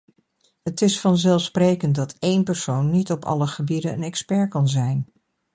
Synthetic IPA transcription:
ɦətɪsfɑnzɛlˠfsprejkənt̚dɑtejnpɛɹsownːitɔpɑ̰ləχəbidənə̰nɛkspɛɹkɑnzɛjn

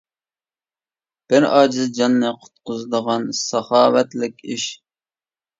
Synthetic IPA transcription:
b̥ɪɾɑːd͡ʒɪzd͡ʒɑnːɨqʰʊ̥t̪̚qʊzɨd̪əʁɑnsɑχɑːwɛt̪lɪkʲiʃ

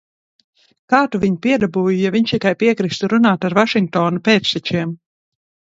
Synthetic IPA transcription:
kaːt̪uviɲpiɛd̪abuːjujaviɲʃt̪ikajpiɛkɾist̪uɾunaːt̪aɾvaʃiŋk̚t̪ɔːnupeːt̪st̪ʲɛt͡ʃiɛm

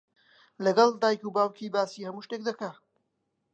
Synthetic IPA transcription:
lɐɡɐlˠd̪aːjkubaːwkʰibaːsiːhɐmuːʃt̪ek̚d̪ɐka

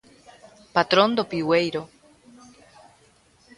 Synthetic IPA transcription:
pat̪ɾond̪opiwejɾo

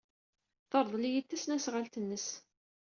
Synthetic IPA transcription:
θəɾˤðˤlijit̪ːæsnæsʁalt̪ənːəs

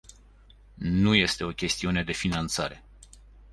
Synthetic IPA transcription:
nuje̞st̪e̞o̞kʲe̞st̪iune̞d̪e̞finant̪saɾe̞

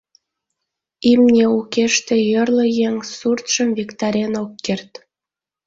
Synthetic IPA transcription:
imnʲeukeʃt̪ĕjərləjeŋsurt̪ʃəmvikt̪ɑɾʲenokːert̪

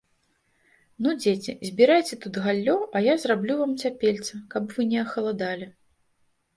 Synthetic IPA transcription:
nud͡zʲet͡sʲizʲbʲiɾajt͡sʲɛt̪ut̪ɣalʲːɔʔɐjazrablʲuvamt͡sʲapʲelʲt̪sɐkɐbvɨnʲɛɐxɐlˠad̪alʲi

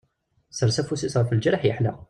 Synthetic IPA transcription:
səɾˤsæfusisˤɑɾˤfild͡ʒəɾˤħjəħlɑq

